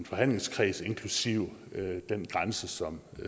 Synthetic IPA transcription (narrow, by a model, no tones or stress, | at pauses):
nfɒ̽ɦæn̰le̝ŋskʰʁḭːse̝nkʰlusiʊ̰d̥en̰ɡ̥ʁansəsɒ̽m